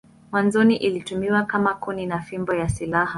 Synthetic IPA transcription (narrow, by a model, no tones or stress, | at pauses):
mwanzɔniʔilitumiwakamakuninafimbɔjasilaha